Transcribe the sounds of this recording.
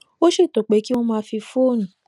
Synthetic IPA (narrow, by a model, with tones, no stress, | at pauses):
o˦ʃe˦˨to˨k͡pe˨˦ki˦w̃ɔ̃˦mãː˧˦fi˧fo˦˨ñũ˨